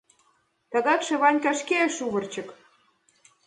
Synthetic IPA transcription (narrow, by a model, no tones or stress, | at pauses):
t̪ɑɣɑkʃĕβɑnʲkɑʃkeʃuβə̆rt͡ɕə̆k